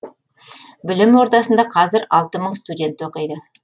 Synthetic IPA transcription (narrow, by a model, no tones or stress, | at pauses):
bɪlɪmwo̞ɾd̪ɑsənd̪ɑqʰɑzɪɾɑlˠt̪əməɴst̪udʲe̞nt̪oqijd̪ə